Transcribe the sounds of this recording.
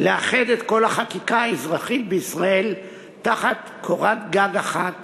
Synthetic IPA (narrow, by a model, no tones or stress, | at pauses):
leaχed̪e̞t̪ko̞laχakikaaezʁaχitbeisʁae̞l | taχat̪ | kʰoʁatɡaɡaχat